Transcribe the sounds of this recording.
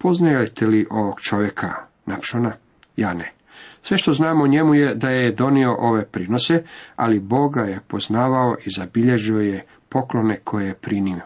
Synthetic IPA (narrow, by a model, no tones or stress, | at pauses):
po̞znajet̪ʰeliʔo̞ʋoɡ̥t͡ʃo̞ʋje̞kʰa̰ | napʃona | jaːne | sʋeʃt̪o̞znaːmoɲe̞mujed̪ajed̪o̞nio̞ʔo̞ʋe̞pɾino̞se̞a̰libo̞ɡajepo̞znaːʋao̞ʔizabiʎe̞ʒioje | po̞klo̞ne̞kʰo̞jejepɾinio